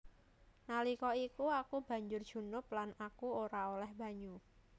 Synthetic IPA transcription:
nalikɔikuakub̥a̤ɲd͡ʒʊr̥ʒ̥ṳnʊplanakuoɾaolɛhba̤ɲu

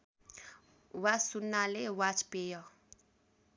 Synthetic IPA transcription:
wasunːalewat͡spejʌ

